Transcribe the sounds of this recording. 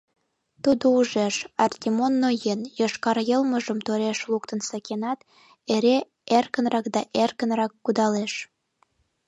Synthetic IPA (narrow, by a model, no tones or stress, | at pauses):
t̪ud̪ouʒeʃɑrt̪ʲimonːojenjəʃkɑɾjəlməʒəmt̪oɾeʃlukt̪ənsɑkenɑt̪ | eɾe | erkənrɑkd̪ɑʔerkənrɑkːud̪ɑleʃ